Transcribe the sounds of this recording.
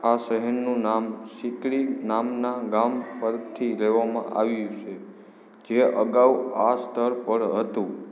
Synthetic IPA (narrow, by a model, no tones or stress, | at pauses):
aʃəɦɛɾnũnamsikɭinamnaɡampəɾt̪ʰːileʋamã̰ʔa̰ʋjut͡ʃʰe | d͡ʒeəɡaʋuast̪ʰəɾpəɽɦət̪ũ